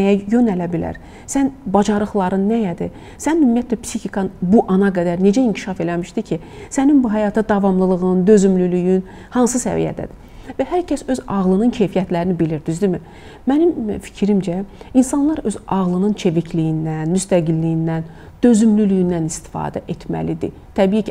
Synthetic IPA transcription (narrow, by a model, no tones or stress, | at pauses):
næjæjø̞nælæbilæ̰ɾ | sænbɑd͡ʒɑɾɯχlˠɑɾɯnːæjæd̪ḭ | sænymːijæt̪ʰlæpsiçikʰɑnbuʔɑnɑɡæd̪æɾne̞d͡ʒæiɲcʰi̥ʃɑfe̞læmiʃd̪icʰi | sæninbuɦæjɑt̪ʰɑd̪ɑvɑmlˠɯlˠɯɣɯnd̪ø̞zymlylyjyn | hɑnsɯsæ̰vḭjæ̰d̪æ̰d̪̥i | væhæɾcʰæsø̞zɑʁlˠɯnɯncʰe̞jfijæt̪ʰlæɾinibiliɾd̪yzd̪imi | mænimfi̥cʰɾimd͡ʒæinsɑnlˠɑɾø̞zɑʁlˠɯnɯnt͡ʃʰe̞vicʰlijind̪ænmyst̪æɡilːijind̪æn | d̪̥ø̞zymlylyjind̪ænist̪i̥fɑ̰ːd̪æ̰ʔe̞t̪ʰmæ̰lid̪ḭ | t̪ʰæbicʰ